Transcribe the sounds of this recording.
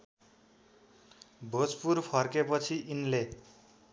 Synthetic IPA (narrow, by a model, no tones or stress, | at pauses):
bʱot͡spurpʰʌrkepʌt͡sʰiʔinle